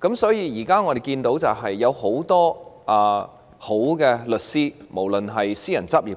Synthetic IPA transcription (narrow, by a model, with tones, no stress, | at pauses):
kɐ˨˥msɔː˨˥jiː˨˧jiː˨˩kaː˥ŋɔː˨˧d̪e˨jkiː˧nt̪o˨˥wt͡sɐ˨wɦɐ˨jːɐ˨˧who˨˥wt̪ɔː˥ʔɐː˨˩ | ho˨˥wkɛː˧lɵ˨t̚siː˥mo˨˩wlɵ˨nɦɐ˨jsiː˥jɐ˨˩nt͡sɐ˥p̚jiː˨˩